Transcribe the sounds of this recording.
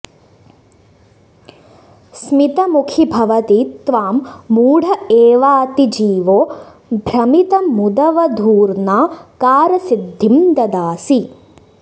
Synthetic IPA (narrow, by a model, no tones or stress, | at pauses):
smit̪ɐmukʰibʱɐʋɐt̪it̪ʋaːmːuːɽ̤ʱɐeːʋaːt̪id͡ʒiːʋoː | bʱɾɐmit̪ɐmud̪ɐʋɐd̪ʱuːɾnaːkaːɾɐsid̪ʱːimd̪ɐd̪aːsi